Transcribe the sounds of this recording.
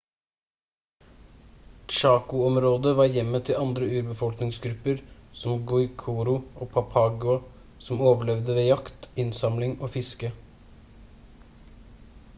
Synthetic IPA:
ʃɑːkʊɔmɾoːd̪əʋɑːɾjɛmːət̪ʰɪlɑnd̪ɾəʉːɾbəfɔlknɪŋsɡɾʉpəɾsɔmɡʊɪkʰuːɾʊʔoːpʰɑpʰɑːɡʊɑ | sɔmoːʋəɭɛʋd̪əʋeːjɑkt̪ɪnsɑmlɪŋoːfɪskə

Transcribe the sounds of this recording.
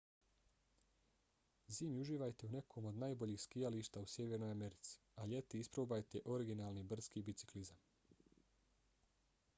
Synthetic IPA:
ziːmjuʒiːʋajt̪eune̞kʰomo̞d̪naːjbo̞ʎiːxskijaliʃt̪ausje̞ːʋeɾno̞jame̞ɾit̪si̥aʎe̞t̪iispɾoːbajt̪eʔo̞ɾiɡinaːlnibr̩skiːbit̪si̥klizam

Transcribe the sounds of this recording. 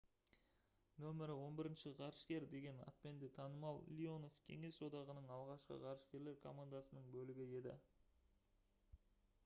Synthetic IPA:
nɵmɪɾɪwo̞nbɪɾɪnʃɪʁʰɑɾʃkʲe̞ɾd̪e̞ɡʲe̞nɑ̰t̪̚pe̞nd̪ɪt̪ʰɑnəmɑlˠlʲio̞no̞fkʲʰe̞̰ŋe̞so̞d̪ɑʁənəɴɑlˠʁɑʃqə̰ʁʰɑɾʃkʲe̞ɾle̞ɾkʰo̞mand̪asənəɴbɵlɪɡʲɪe̞d̪ɪ̰

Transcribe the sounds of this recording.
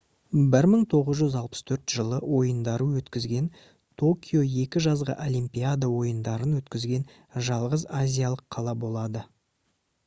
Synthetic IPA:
bɪɾməɴt̪ʰo̞ʁəzʒʏzɑlˠpə̥st̪ʰɵɾt̪ʒ̥əlˠəwo̞jənd̪ɑɾəwɵt̪kʲɪzɡʲe̞n | t̪ʰo̞kʲijo̞je̞kʲɪʒɑzʁə̰ʔolʲimpʲijad̪awo̞jənd̪ɑɾənwɵt̪kʲɪzɡʲe̞n | ʒɑlˠʁəzazʲijalˠəqʰːɑlˠɑbo̞lˠɑd̪ə

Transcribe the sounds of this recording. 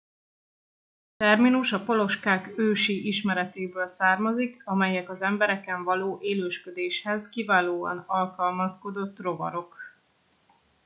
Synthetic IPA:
t̪ɛrminuʃɒpo̞lo̞ʃkaːkøːʃiʔiʃmɛɾɛt̪eːbøːlsaːrmɒzikɒmɛjɛkɒzɛmbɛɾɛkɛɱvɒloːʔeːløːʃkød̪eːʃhɛzkivaːloːɒ̰nɒlkɒlmɒsko̞d̪o̞t̪ːro̞vɒ̰ɾo̞k

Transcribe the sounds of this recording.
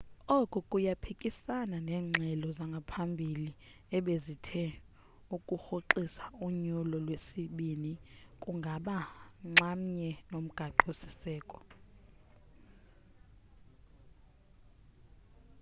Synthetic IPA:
ɔkʼukʼujapʰikʼisananɛːŋ͡ǁʱɛlɔzaŋɡʱapʰambʱili | ɛɓezitʰɛ | ukʼuxoǃisauɲulɔlwesiɓinikʼuŋɡʱaɓaŋ͡ǁam̩ɲɛnom̩ɡ̥ʱaǃosi̥sɛːkʼɔ̥

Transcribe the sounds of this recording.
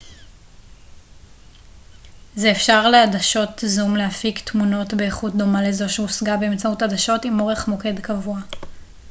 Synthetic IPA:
zeːfʃaʁleadaʃo̞tzumleafiktmuno̞tbeːχut̚do̞malezo̞ʃeusɡabe̞ːmt͡sautadaʃo̞timo̞ʁe̞χmo̞ke̞dkavua

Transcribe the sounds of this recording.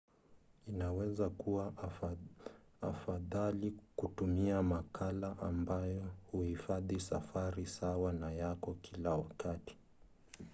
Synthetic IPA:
inawɛzakuwa | afaðalikutumiamakʰalaʔambajɔhuhifaðisafaɾisawanajakɔkʰilawakati̥

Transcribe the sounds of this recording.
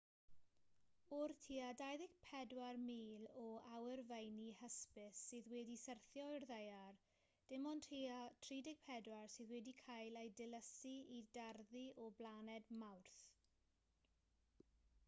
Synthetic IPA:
ʊrtʰiadajðɪɡpʰɛdwarmiːlɔawɛrvejnihəspɪsːɨːðwɛːdisərθjɔɪrðejar | d̥ɪmɔntʰitʰriːdɪɡ̥̚pʰɛdwarsɨːðwɛdikʰajlejdɪləsiidarðiɔblaːnɛdmawrθ

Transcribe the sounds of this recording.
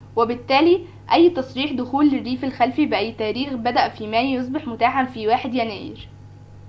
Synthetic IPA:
wæbɪt̪ːæːliː | ʔæjːt̪ɑsˤɾiːħd̪ʊxuːlːɪrːiːfelxælfibɪʔæjːt̪æːɾiːxbæd̪æʔfiːmæːjos̬ˤbeħmʊt̪aːħanfiːwaːħed̪jænæ̰ːjḭɾ

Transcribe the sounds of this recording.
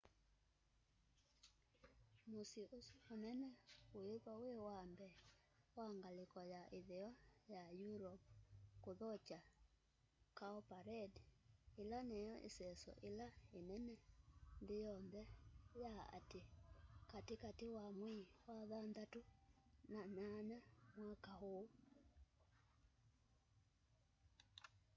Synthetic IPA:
mosiosonɛnɛojeβawewambɛ | waŋɡalekɔjaʔeðɛɔjajuɾɔp̚koðɔt͡ʃa | kaɔpaɾɛdelanejɔʔḛsɛsɔ̰ʔelaenɛnɛndejɔnðɛjaa̰tekatekatewamwiwaðandatunananamwakaho

